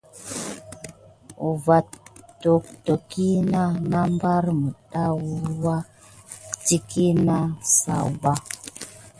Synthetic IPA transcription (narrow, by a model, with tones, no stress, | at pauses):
u˨va˨tto˨k̚to˨ki˦na˦na˦m˦ba˦ɾmə˨ɗa˦wa˦ | ti˦ki˦na˦sa̰˨ba˦